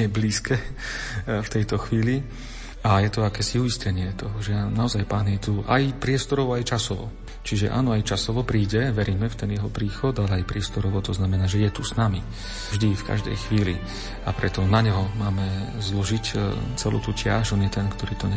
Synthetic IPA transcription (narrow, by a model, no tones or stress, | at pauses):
ɛbliːskɛː | ft̪ɛjt̪ɔxʋiːli | ajɛt̪ɔakɛːsiuiscɛɲɪɛt̪ɔɦɔʒɛanaɔzajpaːnjɛt̪uʔa̰jpɾɪɛst̪ɔɾɔʋɔajt͡ʃasɔʋɔ̰ | t͡ʃiʒɛ̰ʔa̰ːnɔajt͡ʃasɔʋɔpɾiːɟɛʋɛɾiːmɛft̪ɛnjɛɦɔpɾiːxɔd̪alɛajpɾɪɛst̪ɔɾɔʋɔt̪ɔznamɛnaːʒɛjɛt̪usnami | vʒd̪ifka̰ʒd̪ɛ̰jxʋiːlḭ | apɾɛt̪ɔnaɲɛɦɔmaːmɛzlɔʒict͡sɛlṵːt̪ucɪa̰ʒɔnjɛt̪ɛnkt̪ɔɾiːt̪ɔɲɛ